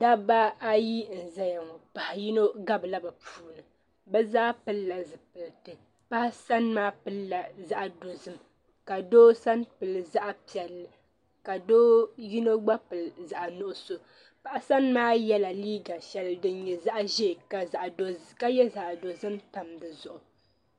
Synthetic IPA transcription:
da˦ba˦a˦ji˦n̩˨za˦ja˨ŋo˨pa˨ha˨ji˦no˦ɡa˦bɨ˨la˦ba˨pʰuː˦nɨ˨ | bɛ˦zaː˦pɨ˦lːa˨zɨ˨pɨ˨ltɨ˨ | pa˦hsa˦nmaː˦pɨ˦lla˨za˦ʔdo˨zɨ˦m | ka˨doː˦sa˦npɨ˨lɨ˨za˦ʔa˦pi˨ɛ˨lːɨ˨ | ka˨doː˦ji˦no˦ɡ͡ba˦pɨ˨lza˨ʔa˨nʊ˦ʔʊ˦so˨ | pa˦ʔa˦sa˦nmaː˦jɛ˦la˨liː˦ɡa˨ʃɛ˨ldɨ˦n˦ɲɛ˨za˦ʔʒe˦˨ka˨za˨ʔdo˦ka˦jɛ˦za˨ʔdo˨zɨ˦mta˨mdɨ˨zʊ˨ʔʊ˨

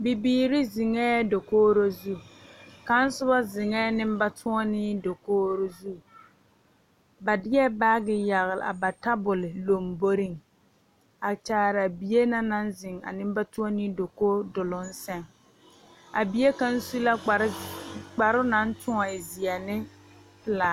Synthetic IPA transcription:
bi˨biː˦ɾɪ˦zɪ˨ŋɛː˦do˨koː˦ɾo˦zu˦ka˨˦n˦sʊ˦ba˦zɪ˨ŋɛː˦nɪ˦m˦ba˦tʰʊ˦ɔ˦nɪ˦do˨koː˦ɾo˦zu˦ | ba˨dɪ˦ɛ˦baː˦ɡɪ˨ja˨ɣɪ˨lɪ̰˨a̰˨ba˨ta˦bʊ˨lɪ˨lo˨mbo˦ɾi˦ŋ | a˨t͡ʃaː˨ɾa˨bi˨je˦na˦na˦nzɪ˨ŋa̰˨nɪ˦m˦ba˦tʊ˦ɔ˦nɪ˦do˨koː˦dʊ˨lʊ˦n̩˦sɛ˦ŋ | a̰˨bi˨˦e˦ka˦n̩˦su˦la˦˨˦k͡pa˨ɾʊ˦na˨˦n̩˦tʊ˦ŋɔ˨ɪ˨zɪ˨ɛ˨nɪ˦ | pɪ˦la˨

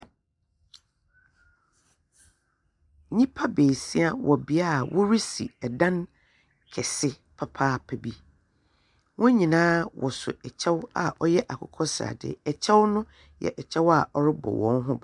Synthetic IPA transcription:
ɲĩ˦pʰa˦beː˨si˦a˦wɔ˨bi˨a˦˨wʔɔ˦ɾi˦sḭ˨ɛ˨dã˦n | kʰɛ˨sɪ˦ | pʰa˦pʰaː˦pʰɛ˨bi˦ | wʔɔ̃˦ɲĩ˨nãː˦wʔɔ˨sʊ̰˨ɛ˨t͡ɕʰɛ˦wa̰˨ɔ˦jɛ˦ʔa˨kʰʊ˨kʰɔ˦sa̰˨dɪ̰˨ɛ˨t͡ɕʰɛ˦wnʊ̃˦ | jɛ̰˨ʔɛ˨t͡ɕʰɛ˦wa˦˨ɔ˦ɾɪ˦bɔ̰˨wɔ̃˨˦nɦʊ̃˦b

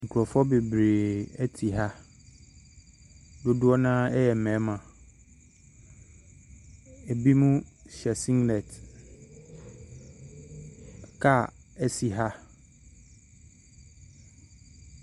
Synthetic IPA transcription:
ŋ̩˨kʰu˨ɾɔ˨fɔ˦be˨bɾe˨ɛ˦tʰi˨ɦa˦ | dʊ˦dʊ˦ɔ˦nã˦ɛ˦jɛ˨m̩˨mɛ̃˨˦mã˨ | e˨bi˦mũ˦ɕɛ˨sĩ˦ŋɡlɛ˨t | kʰa˦˨ɛ˦si˨ɦa˦

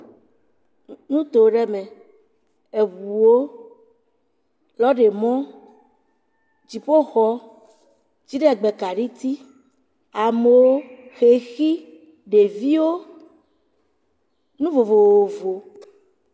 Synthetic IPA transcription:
nũ˦t̪o˨ɖɛ˦mẽ˨ | e˨wu˨wo˦ | lɔ˦ɖe˨mɔ̃˦ | d͡ʑi˨ɸo˦xɔ˦ | d͡ʑi˦ɖe˦˨ɡ͡be˨ka˨ɖi˦t̪i˦ | a˨me˨wo˦xe˨xi˦ | ɖe˨vi˦wo˦ | nũ˦vo˨vo˨wo˨vo˨

